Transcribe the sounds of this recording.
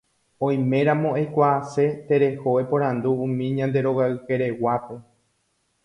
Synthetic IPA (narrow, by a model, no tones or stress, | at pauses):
õ̞j̃mẽ̞ɾãmõejkʷaːse̞t̪e̞ɾe̞ho̞epõ̞ɾ̃ãnd̪ũːmĩɲãnd̪e̞ɾo̞ɣaɨke̞ɾe̞wape̞